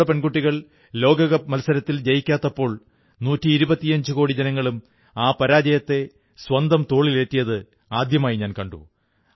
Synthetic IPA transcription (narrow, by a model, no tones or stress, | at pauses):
ɐpenɡuʈːiɣɐɭ | lo̞ːɡɐɣɐmɐlɐsɐɾɐt̪ːild͡ʑɐjikʲːaːt̪ːɐpːo̞ːɭ | nuːtːiːɾubɐt̪ːiɐɲd͡ʑɨko̞ːɽid͡ʑɐnɐŋːɐɭum | aːpɐɾaːd͡ʑɐjɐt̪ːe̞ | swɐnd̪ɐmt̪o̞ːɭile̞ːtːijɐðɨ | aːd̪jɐmaːjiɲaːnkɐɳɖṵ